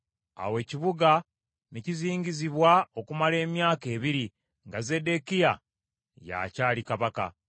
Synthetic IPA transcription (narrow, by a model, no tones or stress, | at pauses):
a̰we̞ːciβuɡa | neciziːɲɟiziβwao̞kumale̞ːmjaːke̞ːβiɾi | ŋɡaze̞de̞kija | ja̰caːlikaβaka̰